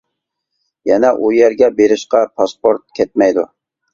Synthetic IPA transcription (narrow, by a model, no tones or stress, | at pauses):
jɛnɛʔujɛɾɡʲɛbeɾɪʃqɑpʰɑspoɾt̪̚kʲʰɛt̪̚mɛjd̪u